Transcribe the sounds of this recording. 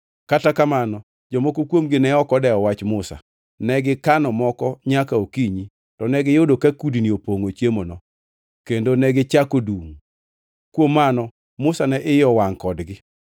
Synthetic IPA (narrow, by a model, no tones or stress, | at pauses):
katakamanɔ | d͡ʒɔmɔkokwomɡɪnɛɔkɔdɛɔwat͡ʃmʊsa̰ | nɛɡɪkanɔmɔkɔɲakaokiɲi | tɔnɛɡɪjodokakudiniopoŋot͡ʃjemonɔ | kendonɛɡɪt͡ʃakoduŋ | kwomːanɔ | mʊsanɛʔɪjɔwaŋkɔdɡɪ